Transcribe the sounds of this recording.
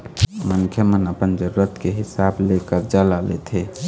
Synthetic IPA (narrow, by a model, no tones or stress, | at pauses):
mənkʰjəmənəpənd͡ʒəɾuɾət̪keɦisablekəɾd͡ʒalalḛt̪ʰɦɛ